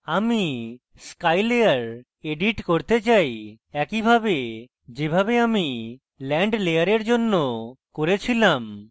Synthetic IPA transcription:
ami | skajlejaɾ | eɖiʈkoɾt̪et͡ɕaj | ɛkibʱabe | d͡ʑebʱabeami | lɛɳɖlejaɾeɾd͡ʑonːokoɾet͡ɕʰilam

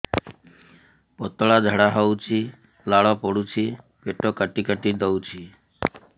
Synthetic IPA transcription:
pɔt̪əɭad͡ʒʱəɽaɦɔut͡ʃʰi | laɭɔpɔɽut͡ʃʰi | ʋeʈokəʈikəʈid̪əut͡ʃʰi

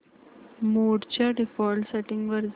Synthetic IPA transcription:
moɽt͡ɕjaɖifɔlsɛʈɪ̃ŋɡʋəɾz

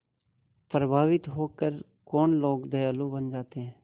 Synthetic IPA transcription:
pɾəbʱaːʋɪt̪ɦoːkəɾ | kɔːnloːkd̪əjaːlõːbənd͡ʒaːt̪eɦɛ̃ː

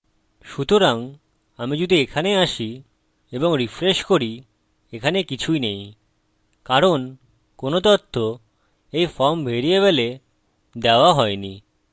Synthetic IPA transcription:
ʃut̪oɾaŋ | amid͡ʑud̪ʱiekʰaneaʃi | eboŋɾifɾeʃkoɾi | ekʰanekit͡ɕʰujnej | kaɾon | konot̪ot̪ʰːo | ejfɔɾmbʱeɾijeβele | d̪eoaɦɔeni

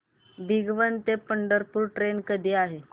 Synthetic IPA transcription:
biɡʋənt̪epəɳɖəɾpuːɾʈɾenkəd̪ʱiːaɦe

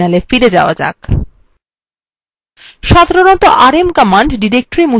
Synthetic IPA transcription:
nalefiɾed͡ʑaoad͡ʑa̰k | ʃad̪ʱaɾonɔt̪oʔaɾemkɔmaɳɖɖiɾek̚ʈoɾimu

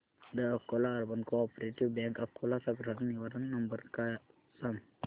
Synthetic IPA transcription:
d̪əɐfkolaːɾbənkoɔpɾeʈiʋbɛ̃ŋkɐfkolasɐbɾaɾəniʋaɾənːɐmbəɾka | sɐm

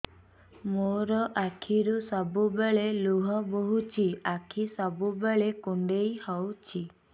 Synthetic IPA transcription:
moɾɔʔakʰiɾusɔbubeɭeluɦɔboɦut͡ʃʰiakʰisɔbubeɭekuɳɖejhɔwt͡ʃʰi

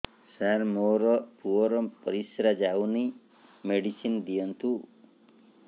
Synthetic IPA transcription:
saɾmoɾɔpuɔɾɔpɔɾisɾad͡ʒawni | meɽisind̪ijɔnt̪ʰu

